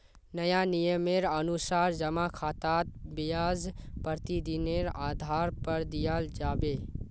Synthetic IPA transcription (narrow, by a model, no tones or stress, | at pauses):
nəjanijəmeɾənusaɾd͡ʒəmakʰaːt̪at̪̚bijaːzpəɾt̪id̪ineɾaːd̪ʱaɾpəɾd̪ijald͡ʒaːbe